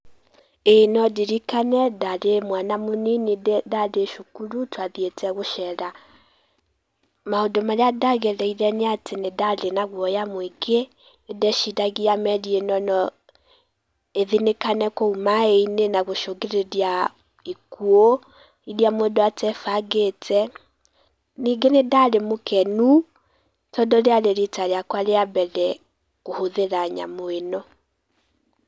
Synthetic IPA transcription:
enɔdiɾikanɛdaɾemwanamoninidaɾeʃukuɾutwaðietɛɣoʃɛɾa | maodomaɾeadaɣɛɾɛiɾɛneatenedaɾenaɣwɔjamwiɡe | edɛʃidaɣiamɛɾienɔnɔ | eðinekanɛkoumaeinenaɣoʃoɣeɾeɾia | ikuo | iɾiamoedoatɛfaɡetʰɛ | niɡenedaɾemokɛnu | tɔdɔɾeaɾeɾetaɾeakwaleabɛðɛ | kohoðeɾaɲa̰moenɔ

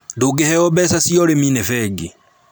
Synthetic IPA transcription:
ndoɡehɛɔbɛsasiɔɾeminɛfɛɡe

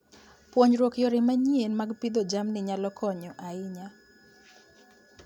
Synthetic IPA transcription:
pwoɲɾwokjɔɾɪmaɲienmaɡpid̪ɔd͡ʒamnɪɲalɔkʰɔɲɔʔaɪɲa

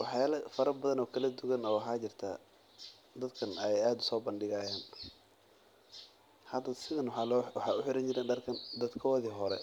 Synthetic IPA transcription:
wɑħjaːlɐfɐɾɐbɐðɐnɔːkʰɐlɐd̪ʊɣɐnɔːħɑːt͡ʃɪrt̪ʰa̰ | d̪ɐd̪kʰɐnɛɛjaːd̪ʊ̥sɔːbɐnɖɪɣɐːjaːn | hɐd̪ɐsɪðɐnwɑħɑːʊħɪɾɐnt͡ʃɪɾɛnɖɐrkʰɐnd̪ɐd̪kʰɔːðiɦɔɾɛ̰

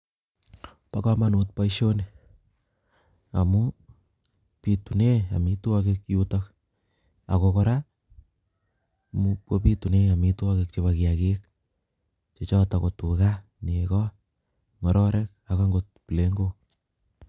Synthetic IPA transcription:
pakamanut̚paiʃone | a̰mu | pitunea̰mituakek̚jutak | a̰kokoɾa | mupwopituneamituakek̚t͡ʃeβakiakek | t͡ʃet͡ʃɔtakotuka | niekɔ | ŋɔɾɔɾʔɛk̚akaŋɡot̚pleŋɡo

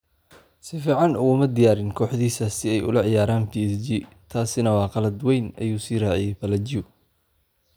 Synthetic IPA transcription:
sɪfiːʕɑnʊɣʊmɐd̪ɪjaːɾɪnkʰɔːħðiːsɐsɪɛjʊ̰lɐʕɪjaːɾaːnpʰiːɛsd͡ʒi | t̪ʰaːsɪnɐwɑːqɑlɐd̪wɛjnɐ̰juːsiːraːʕɪjɛjpɐlɐd͡ʒɪʊ

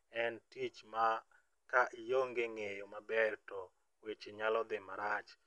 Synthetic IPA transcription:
ɛntit͡ʃma | kaʔjoŋɡeŋejomabɛrtɔ | wet͡ʃeɲalɔd̪ɪmaɾat͡ʃ

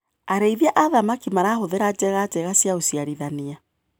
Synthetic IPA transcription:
aɾeiðiaʔaðamakimaɾaːɦoðeɾad͡ʒɛɣad͡ʒɛɣasjaosiaɾiðania

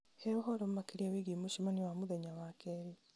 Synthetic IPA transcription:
heoɦɔɾom̩makeɾiawiɡimuʃimaniwamuðeɲawakeɾi

